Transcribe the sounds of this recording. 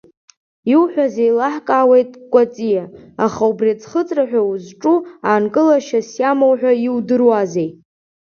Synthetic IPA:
iwħʷᶣazejlaħkʼaːwe̞jtʼkʷʼat͡sʼijaaχaubriat͡sʰχət͡sʼraħᶣʷauzʈ͡ʂʼuaːnkʼɨlaʃasjamowħᶣʷaiwdɨrwazejtʼ

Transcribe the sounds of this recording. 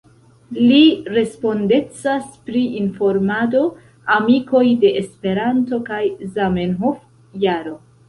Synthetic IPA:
liɾe̞spo̞nde̞t͡saspɾiʔinfo̞ɾmado̞ | amiko̞jde̞ʔːspe̞ɾanto̞kajzamenɦof | jaɾo̞

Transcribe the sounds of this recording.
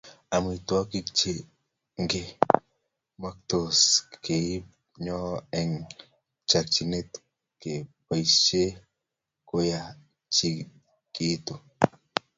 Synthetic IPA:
amit̪wakik̚t͡ʃe | ŋɡe | mak̚t̪oskeip | ɲoeŋ | t͡ʃak̚t͡ʃinet̪ | kepajst͡ʃe | koja | t͡ʃi | kʼit̪o

